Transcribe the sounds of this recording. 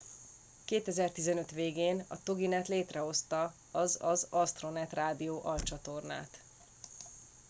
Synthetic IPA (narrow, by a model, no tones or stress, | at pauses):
keːt̪ɛzɛrt̪izɛnø̞t̪ʋeːɡeːnɒ̰t̪o̞ɡinɛt̪leːt̪rɛɦo̞st̪ɒ | ɒzɒzɒst̪ro̞nɛt̪raːd̪ijoːʔɒlt͡ʃɒt̪o̞rna̰ːt̪